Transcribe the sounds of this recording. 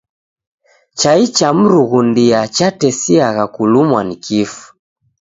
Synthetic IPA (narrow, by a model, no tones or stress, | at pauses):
t͡ʃait͡ʃam̩ɾuɣundiat͡ʃatɛsiaɣakulumwanikʰifu̥